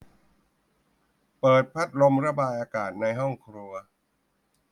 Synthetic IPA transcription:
pɤː˨˩t̪̚pʰa˦˥t̪̚lo˧mɾa˧baː˧jʔaː˧kaː˨˩t̪̚na˧jɦɔ˥˩ŋkʰɾu˧ɐ

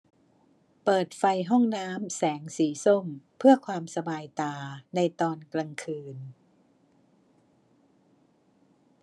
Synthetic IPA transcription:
pɤː˨˩t̪̚fa˧jɦɔ˥˩ŋnaː˦˥msɛː˩˦ŋsiː˩˦so˥˩mpʰɯ˥˩ɐkʰwaː˧msa˧baː˧jt̪aː˧na˧jt̪ɔː˧nkla˧ŋkʰɯː˧n

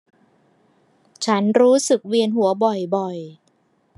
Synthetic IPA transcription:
t͡ɕʰa˦˥nɾuː˦˥sɯ˨˩k̚wi˧ənɦu˩˦ɐbɔ˨˩jbɔ˨˩j

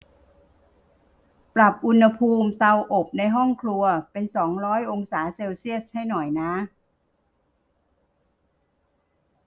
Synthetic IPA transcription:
pɾa˨˩p̚ʔu˧nha˧pʰuː˧mt̪a˧wʔo˨˩p̚na˧jɦɔ˥˩ŋkʰlu˧ɐpe˧nsɔː˩˦ŋɾɔː˦˥jʔo˧ŋsaː˩˦seː˧wsi˥˩əs̚ha˥˩jnɔ˨˩jna˦˥

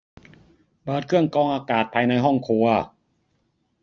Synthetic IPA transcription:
pɤː˨˩t̪̚kʰɯ˥˩əŋkɔː˧ŋʔaː˧kaː˨˩t̪̚pʰaː˧jna˧jɦɔ˥˩ŋkʰu˧ɐ

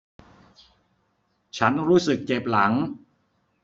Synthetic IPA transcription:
t͡ɕʰa˦˥nɾuː˦˥sɯ˨˩k̚t͡ɕe˨˩p̚la˩˦ŋ

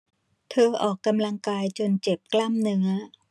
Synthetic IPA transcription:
t̪ʰɤː˧ʔɔː˨˩kːa˧mla˧ŋkaː˧jt͡ɕo˧nt͡ɕe˨˩p̚kla˥˩mnɯ˦˥ɐ

